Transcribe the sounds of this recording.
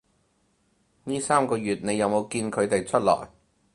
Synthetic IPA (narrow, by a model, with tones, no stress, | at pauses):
niː˥saː˥mkɔː˧ɥyː˨˩t̚ne˨˧jɐ˨˧wmo˨˧wkiː˧nkʰɵ˨˧ɥt̪e˨jt͡ʃʰɵ˥t̚lɔ̰ː˨˩j